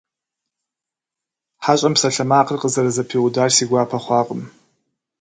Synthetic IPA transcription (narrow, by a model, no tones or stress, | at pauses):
ħaɕʷʼampʰsaɬamaːqʼʰərqʼəzarazapʰiudarsiɡʷapʰaχʷɑqʼəm